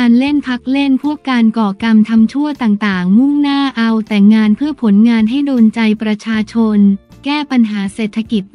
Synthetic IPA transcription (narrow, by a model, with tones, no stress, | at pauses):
aː˧nle˥˩npʰa˦˥k̚le˥˩npʰu˥˩əkaː˧nkɔː˨˩ka˧mt̪ʰa˧mt͡ɕʰu˥˩ət̪aː˨˩ŋt̪aː˨˩ŋmu˥˩ŋnaː˥˩ʔa˧wt̪ɛː˨˩ŋaː˧npʰɯ˥˩ɐpʰo˩˦nŋaː˧nɦa˥˩jdoː˧nt͡ɕa˧jpɾa˧t͡ɕʰaː˧t͡ɕʰo˧n | kɛː˥˩pa˧nɦaː˩˦seː˨˩t̪ʰːa˧ki˨˩t̪̚